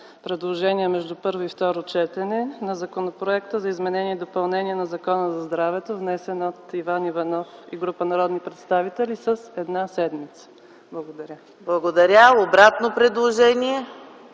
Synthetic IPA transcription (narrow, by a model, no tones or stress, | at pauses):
pɾɛd̪lˠoʒɛniɛmɛʒd̪upɤɾvoift̪ɔɾot͡ʃɛt̪ɛnɛnɐzɐkonopɾoɛk̚t̪əzɐizmɛnɛniɛid̪opɐlˠnɛniɛnɐzɐkɔnəzɐzd̪ɾavɛt̪ovnɛsɛnot̪ivanivɐnɔfiɡɾupənɐɾɔd̪nipɾɛt̪st̪avit̪ɛlisəsɛd̪nasɛd̪mit̪sə̥ | blˠɐɡod̪ɐɾʲa | blˠɐɡod̪ɐɾʲaobɾat̪nopɾɛd̪lˠoʒɛniɛ